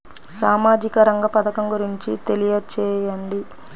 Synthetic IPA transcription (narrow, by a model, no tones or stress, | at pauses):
saːmaːd͡ʒikɐɾɐŋɡɐpɐd̪ɐkɐmɡuɾiɲt͡ʃit̪e̞lijɐt͡ʃɛːjɐɳɖi